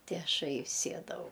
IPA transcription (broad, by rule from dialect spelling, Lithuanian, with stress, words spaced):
tʲɪ ˈɑːʃɐɪ ˈsʲiɛdɐʋɐʊ